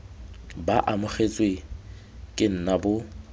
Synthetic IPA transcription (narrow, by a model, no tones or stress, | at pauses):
baʔamʊχet͡sʼwe | kʼɪn̩nabʊ